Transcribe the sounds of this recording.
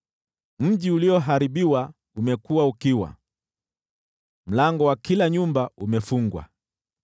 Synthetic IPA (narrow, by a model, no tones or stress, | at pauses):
m̩ʄiuliɔɦaɾiɓiwa | umɛkuwaukiwa̰ | m̩laŋɡɔwakilaɲumbaumɛfuŋɡwa̰